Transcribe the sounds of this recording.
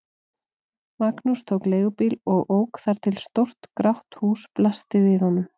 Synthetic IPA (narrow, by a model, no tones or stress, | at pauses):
maknust̪ʰowkleːɣʏpiːlɔɣʔoːwkθaɾ̥t̪ʰɪlst̪owr̥t̪kɾawht̪huːsplast̪ɪvɪðhɔnːʏm